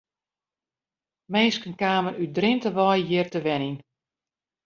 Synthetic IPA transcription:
meːskənkaːmənydrɪntəʋɔjjɪːrtəʋɛnin

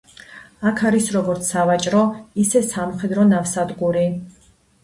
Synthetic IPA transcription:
akʰaɾisɾɔɡɔɾt̪sʰavat͡ʃʼɾɔisɛsamχɛd̪ɾɔnavsad̪ɡuɾi

